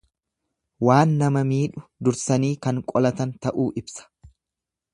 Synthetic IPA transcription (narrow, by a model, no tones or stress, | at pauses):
waːnːɐmɐmiːᶑʊd̪ʊɾsɐniːkɐŋkʼɔlɐt̪ɐnt̪ɐʔuːʔɪbsɐ̥